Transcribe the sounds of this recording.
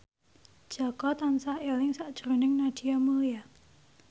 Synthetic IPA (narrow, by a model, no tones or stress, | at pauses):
d̥ʒ̥a̤kɔt̪ansahelɪŋsaʔd̥ʒ̥ɾunɪŋnad̥iamulia